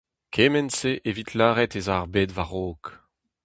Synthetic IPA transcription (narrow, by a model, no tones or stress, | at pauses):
kʰeːmɛnseʔevit̪laːʁɛt̪ezaʁbeːdvaʁoːk